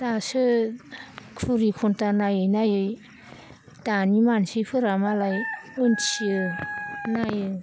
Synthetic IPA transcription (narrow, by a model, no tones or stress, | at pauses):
tasɯ | kʰuɾikʰuntanajɯjnajɯj | tanimansipʰɯɾamalajɯnsiɯ | najɯ